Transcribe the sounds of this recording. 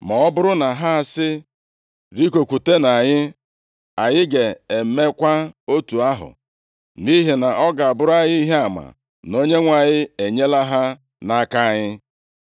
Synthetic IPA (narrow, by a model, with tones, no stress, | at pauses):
ma˨ɔ˦bʊ˦ɾʊ˦na˨ɦa˦a˨sɪ˦ | ɾi˦ko˨kʷu˨te˦na˨ɲɪ˦ | a˨ɲɪ˦ɡe˨e˨m̩˨˦me˦kʷa˦o˦tu˨a˦ɦʊ̰˨ | ni˦ɦi˨na˨ʔɔ˦ɡa˨a˨bʊ˦ɾa˦ɲɪ˦i˦ɦe˦a˨ma̰˨ | no˦ɲe˦ŋʷa˨ɲɪ˦e˨ɲe˦la˦ɦa˦ | na˦ka˦a˨ɲɪ˦